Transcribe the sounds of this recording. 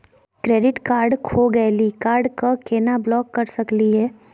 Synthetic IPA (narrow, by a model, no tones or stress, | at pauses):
kɾeːɖɪʈkaːɾɖkʰoɡɛlikaːɾɖkakeːnablɔːkːɐɾsɐkliɦɛː